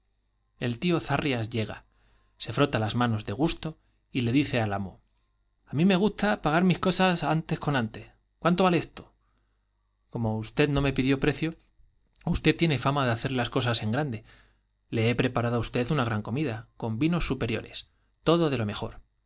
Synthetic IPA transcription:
e̞lt̪io̞θariazʝe̞ɣ̞a̰ | se̞fɾo̞t̪alazmãno̞zðe̞ɣ̞ust̪o̞ | ile̞ðiθe̞alamo | amĩme̞ɣ̞ust̪apaɣ̞aɾmihko̞sasant̪e̞sko̞nãnt̪e̞ | kwant̪oβalest̪o̞̥ | ko̞mo̞ust̪e̞ðno̞me̞piðjo̞pɾe̞θjo | ust̪e̞t̪jene̞famaðeaθe̞ɾlasko̞sase̞ŋɡɾand̪e̞ | le̞epɾe̞paɾaðoaust̪e̞θunaɣ̞ɾaŋko̞miðako̞mbino̞sːupe̞ɾjo̞̰ɾe̞̰s | t̪o̞ðo̞ðe̞lo̞me̞xo̞̰ɾ

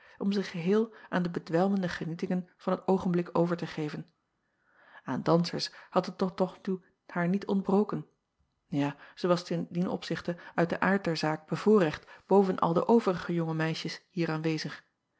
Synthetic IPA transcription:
ʔɔmzəχəɦɪːlˠʔaːndəbədʋɛlˠməndəχənitɪŋənv̥ɑnɦətowχənblɪkowvəɹtəχejvən | a̰ːndɑnsəɹshɑtətɔtɔχtu | haːɹnitʰɔntbrowkən | jaːz̥əʋɑstəndinʔɔ̰psɪχtəœɥt̚dəʔaːɹt̚dɛɹzaːk̚b̥əv̥ʊːrɛχtb̥owvənʔɑ̰lˠdəʔowvərəχəjʊŋəmɛjʃəshiːɹaːnʋejzəχ

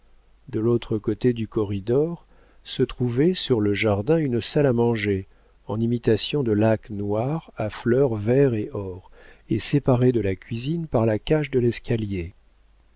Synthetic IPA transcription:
d̪əlot̪χəkot̪ed̪ykɔʁid̪ɔʁ | sət̪χuvɛsyʁləʒaʁd̪ɛ̃ynsalamɑ̃ʒe | ɑ̃nimit̪asjɔ̃d̪əlaknwaʁaflœʁvɛʁeʔɔʁesepaʁed̪əlakʲɥizinpaʁlakaʃd̪əlɛskalje

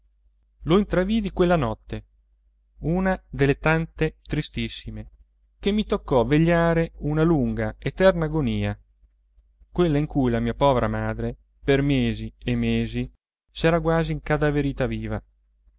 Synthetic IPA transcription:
loint̪ɾavid̪ikwelːanɔt̪ːe | uːnad̪elːet̪ant̪et̪ɾist̪isːime | k̟emːit̪okːɔvːeʎːaːɾeunaluŋɡaet̪ɛrnaːɡoniːa | kwelːaiŋkujlamiːapɔːveɾamaːd̪ɾe | permeːziemːeːzi | sɛːɾaɡwaːziːŋkad̪aveɾiːt̪aviːva

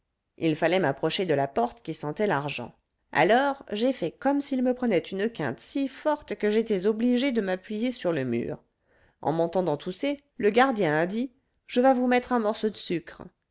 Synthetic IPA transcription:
ḭlfalɛmapχɔʃed̪əlapɔʁt̪kʲisɑ̃t̪ɛlaʁʒɑ̰̃ | a̰lɔʁʒefɛkɔmsilməpχənɛt̪ʰynəkɛ̰̃t̪sifɔʁt̪kəʒet̪ɛzɔbliʒed̪əmapɥijesyʁləmy̰ːʁ | ʔɑ̰̃mɑ̃t̪ɑ̃d̪ɑ̃t̪use | ləɡaʁd̪jɛ̃ad̪i | ʒ̥əvavumɛt̪χɛ̃mɔʁsod̪əsykχ

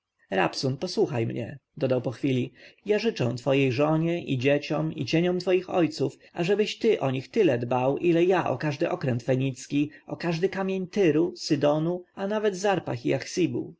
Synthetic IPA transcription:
ɾa̰psunpɔswuxajmɲɛ̰d̪ɔd̪awpɔxfʲilʲijaʐɘt͡ʂɛw̃t̪fɔjejʐɔɲɛʔid͡ʑet͡ɕɔmḭt͡ɕeɲɔmt̪fɔjixɔjt̪suf | a̰ʐɛbɘɕt̪ɘʔɔɲixt̪ɘlɛd̪bawʔilɛjaʔɔ̰kaʐd̪ɘʔɔkɾɛnt̪fɛɲit̪skʲiɔkaʐd̪ɘkamʲjeɲt̪ɘɾusɘd̪ɔnuanavɛd̪zaɾpaxiaxsʲibṵ

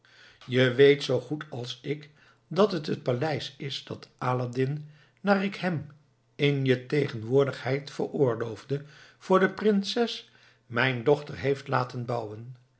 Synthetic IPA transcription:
jəʋejtsowχutʰɑlˠsɪk | dɑtɦətɦət̚palɛjsɪsdɑtaːladɪn | naːrɪkɦɛm | ɪnjətejχənʋʊːɹdəχhɛjtfə̰rʊːɹlowvdəv̥ʊːɹdəprɪnsɛs | mɛjndɔχtəɹɦejftlaːtənbʌwən

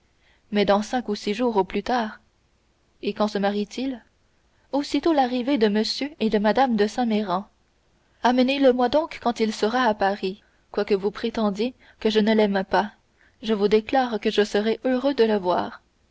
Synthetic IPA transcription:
mɛd̪ɑ̃sɛ̃kusiʒuːʁoplyt̪aːʁ | ekɑ̃səmaʁit̪il | osit̪olaʁived̪əməsjøed̪əmad̪amd̪əsɛ̃meʁɑ̃ | aməneləmwad̪ɔ̃kːɑ̃t̪ilsəʁaːpaʁi | kwakəvupχet̪ɑ̃d̪je | kəʒənəlɛmpa | ʒəvud̪eklaːʁkəʒəsəʁɛʔøʁød̪ələvwa̰ːʁ

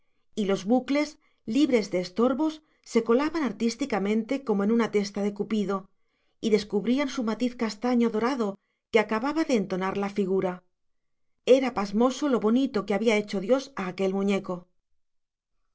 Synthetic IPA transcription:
ilo̞zβukle̞s | liβɾe̞zðe̞ːst̪o̞ɾβo̞sː | e̞ko̞laβanaɾt̪ist̪ikamẽ̞nt̪e̞ko̞moe̞nunat̪e̞st̪aðe̞kupiðo̞ | iðe̞skuβɾiansumat̪iθkast̪aɲo̞ðo̞ɾaðo̞ | keakaβaβaðe̞ːnt̪o̞naɾlafiɣ̞uɾa | e̞ɾapazmo̞so̞lo̞βo̞nit̪o̞keaβiae̞t͡ʃo̞ðjo̞saːke̞lmũɲe̞ko̞

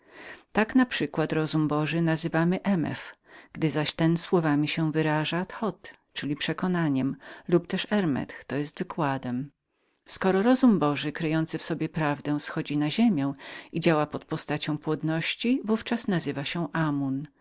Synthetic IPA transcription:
t̪aknapʂɘkwat̪ɾɔzumbɔʐɘnazɘvamɘʔɛmɛ̰fɡ̥d̪ɘzaɕt̪ɛnswɔvamʲiɕɛvɘɾaʐat̪xɔt̪t͡ʂɘlʲipʂɛkɔnaɲɛmlupt̪ɛʂɛɾmɛ̰t̪xt̪ɔjɛst̪vɘkwad̪ɛm | skɔɾɔɾɔzumbɔʐɘkɾɘjɔnt̪sɘfsɔbʲjɛpɾavd̪ɛ̃w̃sxɔd͡ʑinaʑemʲjɛ̃w̃id͡ʑawapɔt̪̚pɔst̪at͡ɕɔ̃w̃pwɔd̪nɔɕt͡ɕivuft͡ʂasnazɘvaɕɛʔamun

